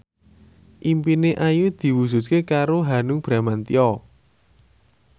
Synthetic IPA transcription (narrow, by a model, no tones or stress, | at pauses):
ʔimpineʔajud̪̥i̤wusut̪̚kekaɾoɦanʊŋb̥ɾa̤mant̪iɔ